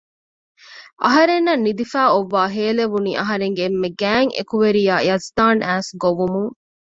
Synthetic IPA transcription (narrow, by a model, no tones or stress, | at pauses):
ʔɐ̰ɦɐɾenːɐnːid̪ifæːoʋːaːɦeːleʋunḭːʔɐɦɐɾeŋɡeːmːeɡæːŋʔḛkuʋeɾijaːjɐzd̪aːnʔæːsɡoʋumuŋ